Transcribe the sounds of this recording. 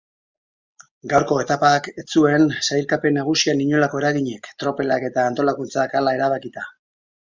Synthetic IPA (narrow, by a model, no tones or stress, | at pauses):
ɡawɾko̞e̞t̪apaket͡sue̞nsajlkape̞nːaɣ̞usianiɲo̞lako̞e̞ɾaɣiɲe̞kt̪ɾo̞pe̞lake̞t̪aːnt̪o̞lakunt͡sakalae̞ɾaβ̞akit̪a